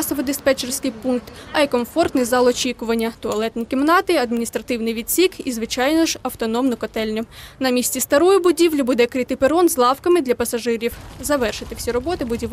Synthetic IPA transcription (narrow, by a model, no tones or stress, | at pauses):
sɔʋɔd̪ɪspɛt͡ʃersʲkɪjpunk̚t̪ɐikɔmfɔrt̪nɪjzɑlˠɔt͡ʃʲikʊʋɐnʲːɐt̪ɔɐlˠɛt̪ʲnʲikʲɪmnɑt̪ɪɐd̪mʲinʲist̪ɾɐt̪ɪwnɪjʋʲid̪ʲsʲikizʋɪt͡ʃɑjnɔʒɐwt̪ɔnɔmnɔkɔt̪ɛlʲnʲɔnɐmʲisʲtʲist̪ɐɾɔjʊbʊdʲiʋlʲibud̪ɛkɾɪt̪ɪpeɾɔnzlˠɑwkɐmɪd̪lʲɐpɐsɐʒɪɾʲiwzɐʋɛrʃɪt̪ɪw̥sʲiɾɔbɔt̪ɪbʊdʲiʋ